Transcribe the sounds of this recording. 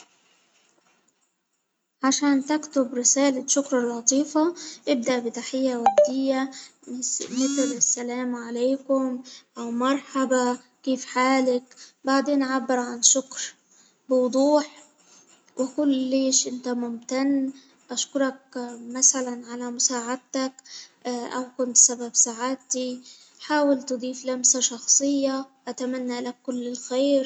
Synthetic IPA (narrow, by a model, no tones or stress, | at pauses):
ʕaʃaːnt̪akt̪ʊbɾɪsaːlaʃʊkɾˤɑlʕɑt̪ˤiːfaʔɪb̚d̪aʔbɪt̪aħɪjːawad̪ːɪjːa | mɪt̪lɪsːalaːmʕaleːkʊmʔawmɑɾˤħaba | kiːfħaːlakbaʕd̪eːnʔʕabːɪɾʕanʃʊkɾ | bɪwd̪ˤuːħ | wɪkʊlːɪːʃʔɪnt̪amʊmt̪anː | ʔaʃkʊɾˤɑk̚masalanʕalamʊsaːʕad̪̚t̪ak | ʔawkʊnt̪sababsaʕat̪i | ħaːwɪlt̪ɨd̪ˤiːflamsaʃɑxsˤɨjːaʔat̪amanːalakːʊlːɪlxeːɾ